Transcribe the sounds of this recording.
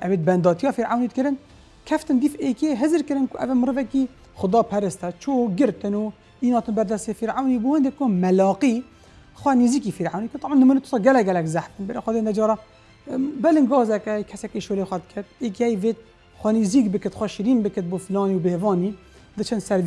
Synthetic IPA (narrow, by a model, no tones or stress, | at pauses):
ʔɛveːt̪̚bɛnd̪ɑːt̪ʰijɑːfiɾʕawniːd̪̚kɨɾɨn | kʰɛft̪ɨnd̪iːfeːkieɦɨzɨɾkɨɾɨnkʊʔɛvæmɨɾɨvɛki | xʊd̪ɑːpʰɛɾɨst̪ɛt͡ʃʰoɡɨɾt̪ɨnu | iːnɑːt̪ɨnbɛɾd̪ɛst̪eːfiɾʕawnibuːhɨnd̪eːkʊmɛlɑːqi | xʷwɛniziːkifiɾʕawnikɾt̪ːˤɑbʕɑnːɨmunet̪ʊ̥sɑːɡɛlɛkɡɛlɛkzæħt̪ɨnbɪɾexɛd̪eːnɛd͡ʒɑːɾɑː | bɛlɨŋɡɑːzɛkɛhjkʰɛsɛkeʃoːleːxʷɛd̪̚kʰɛt̪̚eːk̬ihɛjveːt̪̚ | xʷɛniːziːkbɨkɨt̪xʷɛʃiɾiːnbɨkɨt̪̚buflɑːniwbehvɑːniː | d̪ɨt͡ʃʰɨnsɛɾ